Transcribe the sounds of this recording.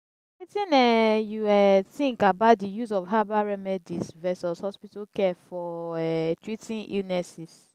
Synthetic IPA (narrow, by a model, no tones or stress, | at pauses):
witĩnɛjuɛθĩŋkabaʊtdijuzɔvɦabaɹɛmɛdisvɛsɔshɔspitakɛfɔɛtɹitĩnʔḭlnɛsis